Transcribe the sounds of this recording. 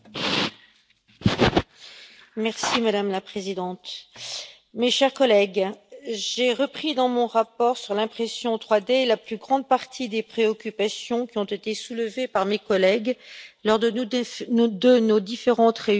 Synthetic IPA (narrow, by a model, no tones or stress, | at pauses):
mɛʁsimad̪amlapχezid̪ɑ̃t̪ | meʃɛʁkɔlɛɡ | ʒeʁəpχid̪ɑ̃mɔ̃ʁapɔʁsyʁlɛ̃pχesjɔ̃t̪χwad̪elaplyɡʁɑ̃d̪̚paʁt̪ʰid̪epχeɔkʲypasjɔ̃kʲiɔ̃t̪et̪esuləvepaʁmekɔlɛɡlɔʁd̪ | d̪ənod̪ifeʁɑ̃t̪ʁe